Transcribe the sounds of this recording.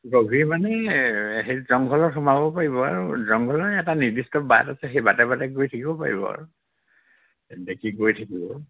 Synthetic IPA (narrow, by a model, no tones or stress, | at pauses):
ɡobʱimanɛɦejzɔŋɡʱɔlɔxɔmabɔpaɹibɔa̰ɹuzɔŋɡʱɔlɔɛtaniɹdistɔba̰tasɛxejbatɛbatɛɡojtʰakibɔpa̰ɹḭbɔ̰a̰ɹu | dekʰiɡojtʰakibɔ